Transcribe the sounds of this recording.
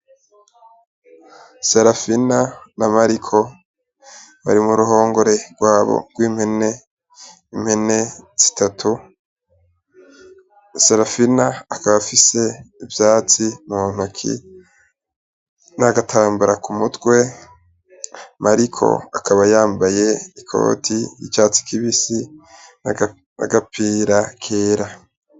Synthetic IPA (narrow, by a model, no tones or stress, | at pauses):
seɾafinanamaɾikʰo̞ | βa̰ɾimuɾuɦo̞ːŋɡo̞ɾe̞ɡ̥waːβo̰ɡ̥wiːmhene | im̥he̞ne̞z̥i̥tʰatʰu | seɾafinaːkaβafise̞ivjaːt͡simuun̥ukʰḭ | naɡatʰaːmbuɾakumutɡwe̞ | mʔaɾikʰo̞̰a̰kʰaβajaːmbaje̞ikʰo̰ːtʰijḭt͡ʃaːt͡si̥kiβisin | na̰ɡapʰiːɾakʰeːɾa